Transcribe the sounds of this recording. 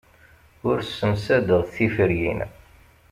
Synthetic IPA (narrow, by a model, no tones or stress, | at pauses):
ʊɾsːəmsæd̪əðθifəɾjḭn